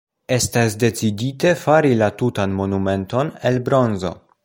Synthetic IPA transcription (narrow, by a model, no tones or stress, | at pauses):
e̞stasde̞t͡sidite̞faɾilatutanmo̞nume̞nto̞nelbɾo̞nzo̞̰